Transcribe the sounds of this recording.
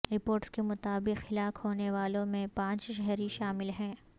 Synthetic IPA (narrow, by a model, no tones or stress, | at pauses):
ɾɪpoːɾʈskemʊt̪aːbɪqxɪlaːkhoːneʋaːlõmẽpãːt͡ʃʃɛɦɾiʃaːmɪlɦɛ̃ː